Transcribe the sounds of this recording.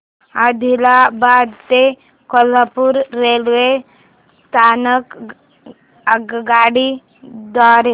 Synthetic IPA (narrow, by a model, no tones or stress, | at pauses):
ad̪ʱilabad̪t̪e | kɔləpuɾːelʋe | st̪ʰanək | əɡɡaːɽi | d̪ɔɾe